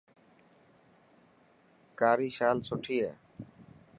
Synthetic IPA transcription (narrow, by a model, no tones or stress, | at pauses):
kaːɾiːʃaːlsoʈʰijɛ̰ː